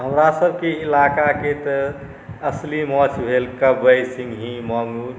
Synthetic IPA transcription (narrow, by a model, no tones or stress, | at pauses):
ɦəmɾasəbʱkeilakaket̪ə | əslimɔt͡ʃʰbʱelkəbəjsĩŋɡɦĩmɔŋu